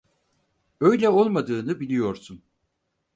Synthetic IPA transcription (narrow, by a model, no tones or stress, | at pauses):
ø̞jlʲɛo̞lˠmad̪ɯːnɯbilʲijo̞ɾsun